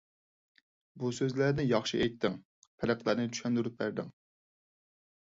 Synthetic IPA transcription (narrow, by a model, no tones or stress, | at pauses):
busøzlæɾnɪjɑχʃiʔɛjt̪ʰːɪŋ | pʰɛlæqlˠæɾnɪt̪ʰy̥ʃɛnd̪yɾyp̚bæɾd̪ɪŋ